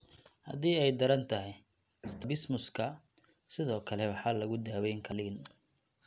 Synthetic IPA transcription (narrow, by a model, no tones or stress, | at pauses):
hɐ̰d̪iːɛjd̪ɐɾɐnt̪ʰɐɦɛj | ɪst̪ʰɐbɪsmʊskʰɐ | sɪðɔːkʰɐlɛwɑħɑːlɐɣʊd̪aːwɛjŋkʰɐlɪːn